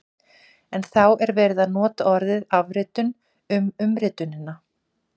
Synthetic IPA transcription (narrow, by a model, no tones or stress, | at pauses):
ɛnθawʔɛɾvɛːɾɪðaðnɔːt̪aɔɾðɪðavɾɪːt̪ʏn | ʏmʏmɾɪːt̪ʏnɪnːa